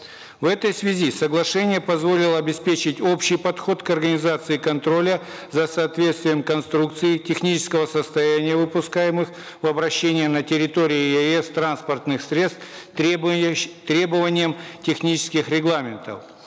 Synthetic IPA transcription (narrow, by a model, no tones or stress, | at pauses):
vɛt̪əjsvʲɪzʲisəɡlˠɐʂɛnʲɪjəpɐzvo̞lʲɪlˠəɐbʲɪspʲet͡ɕɪtʲo̞pɕɪjpɐt̪xo̞t̪kɐrɡənʲɪzat̪sɨɪkɐnt̪ɾo̞lʲə | zəsɐːt̪vʲe̞t̪st̪vʲɪjəmkɐnst̪ɾuk̚t̪sɨjɪtʲɪxnʲit͡ɕɪ̥skəvəsəst̪ɐjænʲɪjəvɨpʊskajɪmɨx | vɐbɾɐɕːenʲɪjənətʲɪɾʲɪt̪oɾʲɪjɪɛɛst̪ɾanspərt̪nɨxsɾʲe̞t̪st̪ | t̪ɾʲe̞bəvənʲɪjəmtʲɪxnʲit͡ɕɪ̥skʲɪxɾʲɪɡlˠamʲɪnt̪ə̰f